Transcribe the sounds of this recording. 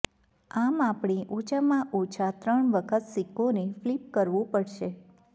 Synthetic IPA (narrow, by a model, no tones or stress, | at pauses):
amapɳiʔot͡ʃamãʔot͡ʃʰat̪ɾəɳʋəkʰət̪sikoneflip̚kəɾʋũpəɽʃe